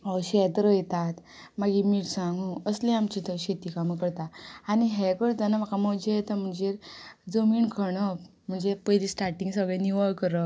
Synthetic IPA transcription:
ɔɕɛt̪ɾəjt̪at̪ | maɡimiʈsãŋɡũəslẽamt͡ɕit̪əɾɕet̪ikamkəɾt̪aañiɦɛkəɾt̪anam̤akʰaməd͡ʑejet̪əm̤əɳd͡ʑeɾd͡zəmiːnkʰəɳə | m̤əɳd͡zepəjlisʈaɾʈĩŋɡsəɡɭɛ̃niʋəɭkːəɾə

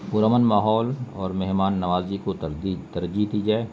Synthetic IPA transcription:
pʊɾəmənmaːɦɔːlɔːɾmɛɦmaːnːɐʋaːzikoit̪ɐɾd͡ʒiɦd̪iːd͡ʒaːeː

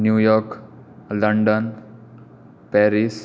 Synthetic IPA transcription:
njujɔɾklɐɳɖən | pɛɾis

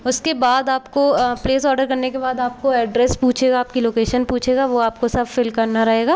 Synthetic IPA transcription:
ʊskebaːd̪aːpkopleːs̬ɔːɾɖəɾkɐɾnekebaːd̪aːp̚koɛːɖɾɛspuːt͡ʃʰeːɡaːp̚kiloːkeːʃənpuːt͡ʃʰeːɡaʋoaːp̚kosɐbfɪlkɐɾnaɾɐɦeːɡaː

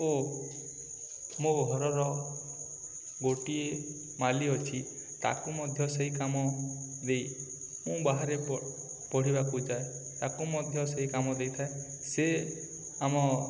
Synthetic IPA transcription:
o | mũɡʱɔɾɔɾɔ | ɡoʈie | maliɔt͡ʃʰi | t̪a̰kumɔd̪ʱjɔseɦikamɔ | d̪ej | mũbaɦaɾe | pɔɽ̤ibakud͡ʒae | t̪akumɔd̪ʱjɔseɦikamɔd̪ejt̪ʰae | se | amɔ

